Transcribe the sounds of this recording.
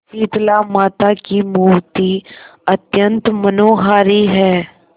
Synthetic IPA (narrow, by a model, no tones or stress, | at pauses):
t͡ʃiːt̪lamaːt̪akimuːʋt̪iət̪jə̃nt̪mənoːɦaːɾiɦɛː